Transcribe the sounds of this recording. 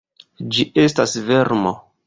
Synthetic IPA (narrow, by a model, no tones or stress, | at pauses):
d͡ʒiʔe̞stasve̞ɾmo̰